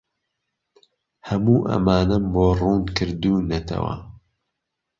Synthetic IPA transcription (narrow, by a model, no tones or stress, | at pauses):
hɐmuːʔɐ̰maːnɐmboːruːnkɨɾd̪uːnɐt̪ʰɐ̰wɐ̰